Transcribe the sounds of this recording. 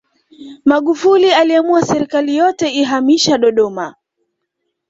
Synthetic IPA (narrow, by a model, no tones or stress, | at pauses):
maɠufulialiamuasɛɾikalijɔtɛiɦamiʃaɗɔɗɔma